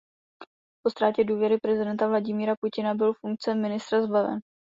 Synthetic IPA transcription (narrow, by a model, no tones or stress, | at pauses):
po̞st̪ɾaːcɛduːvjɛɾɪpɾɛzɪdɛnt̪avlaɟɪmiːɾapucɪnabɪlfuŋk̚t͡sɛmːɪnɪst̪ɾazbavɛ̰n